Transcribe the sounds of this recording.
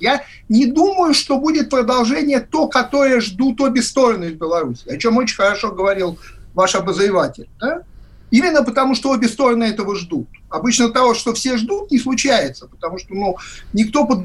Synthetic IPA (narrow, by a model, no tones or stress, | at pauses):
ja | nʲɪd̪uməjʊʂt̪o̞budʲɪt̪̚pɾəd̪ɐlˠʐɛnʲɪjət̪o̞kɐt̪o̞ɾəjəʐd̪ut̪ːobʲɪst̪o̞ɾənɨɪzbʲɪlˠɐɾusʲɪːɐt͡ɕo̞mot͡ɕɪnʲxəɾɐʂo̞ɡəvɐɾʲilˠvaʂɐbəzɾʲɪvatʲɪlʲd̪a | imʲɪnːəpət̪ɐmuʂt̪oobʲɪst̪o̞ɾənəɛt̪əvəʐd̪ut̪ɐbɨt͡ɕnət̪ɐvo̞ʂt̪ofsʲeʐd̪ut̪̚nʲɪslˠʊt͡ɕæjɪt̪sə̥pə̥t̪ɐmuʂt̪onunʲɪk̚t̪o̞pəd̪